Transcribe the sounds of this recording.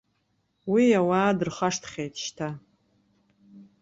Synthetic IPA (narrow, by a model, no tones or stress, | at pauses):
wiawaːdɨrχaʂtʰχʲejtʰʼʃtʰa